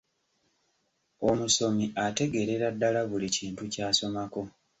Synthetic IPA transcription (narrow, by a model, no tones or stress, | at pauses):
o̞muso̞miʔate̞ɡe̞ɾe̞ɾadːalaβuliciːntucaːso̞mako̞